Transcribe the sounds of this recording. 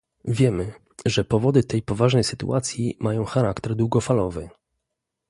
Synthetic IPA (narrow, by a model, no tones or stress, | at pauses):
vʲjɛmɘ | ʐɛpɔvɔd̪ɘt̪ɛjpɔvaʐnɛjsɘ̥t̪ṵʔat̪sʲjimajɔ̃w̃xaɾakt̪ɛɾd̪wuɡɔfalɔvɘ